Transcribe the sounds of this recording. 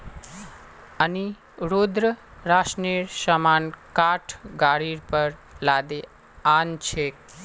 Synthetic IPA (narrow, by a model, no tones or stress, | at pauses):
əni | ɾod̪ɾəɾaʃniɾʃəmankaʈʰɡaɽiɾpəɾlad̪e | ant͡ʃʰek